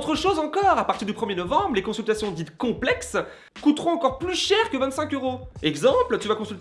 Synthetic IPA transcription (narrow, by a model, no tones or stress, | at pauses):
ot̪χəʃozɑ̃kɔʁapaʁt̪iʁd̪ypχəmjenɔvɑ̃bʁlekɔ̃sylt̪asjɔ̃d̪it̪kɔ̃plɛks | kut̪ʁɔ̃ɑ̃kɔʁplyʃɛʁkəvɛ̃t̪sɛ̃køʁoɛɡzɑ̃plt̪yvakɔ̃sylt̪